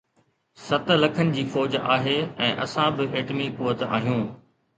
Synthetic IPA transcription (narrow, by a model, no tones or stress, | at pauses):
sɐt̪̆lɐkʰənɪ̆d͡ʑiːfɔːd͡ʑaːɦeːɛ̃ːʔɐsãbɪʔeːʈmikuːət̪a̰ːɦijũː